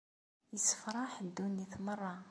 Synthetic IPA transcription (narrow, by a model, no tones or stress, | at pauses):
jəsə̥fɾˤɑħəd̪ːuniθmərˤːɑ